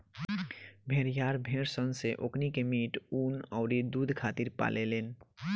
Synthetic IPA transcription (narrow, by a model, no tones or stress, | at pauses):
bʱeɾjaːɾbʱeɾsɔnseʔoknikemiʈuːnɔʊɾid̪ud̪ʱkʰaːt̪iɾpa̰lʔelen